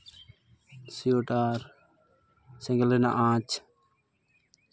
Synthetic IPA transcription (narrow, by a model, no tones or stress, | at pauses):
sioʈaːɾ | sɛ̃ŋɡəlena̰ʔãːt͡ʃ